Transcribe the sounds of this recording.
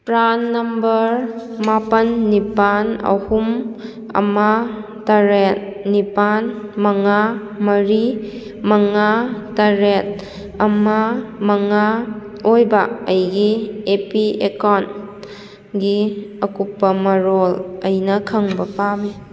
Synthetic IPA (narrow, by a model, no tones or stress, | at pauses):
pɾanːɐmbɐɾmapɐnːipanɐ̰hum | ɐ̰ma | tɐɾet̚nipanmɐŋa | mɐɾi | mɐŋatɐɾet̚ | ɐmamɐŋa | ojbaɐjɡiepiekɔn | ɡiɐkupːɐmɐɾolɐjnɐkʰɐŋbɐpame